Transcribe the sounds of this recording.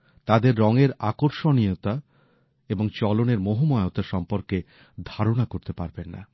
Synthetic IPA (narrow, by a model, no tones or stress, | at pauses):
t̪ad̪eɾːɔŋeɾakoɾʃonijot̪a | eboŋt͡ɕɔloneɾmoɦomɔeot̪aʃɔmpoɾke | d̪ʱaɾonakoɾt̪epaɾbenːa̰